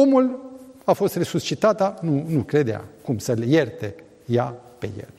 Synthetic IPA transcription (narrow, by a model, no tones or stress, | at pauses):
o̞mulafo̞st̪re̞sust͡ʃit̪at̪anunukɾe̞d̪ea̰kumsəlje̞rt̪e̞ | jape̞̰je̞̰l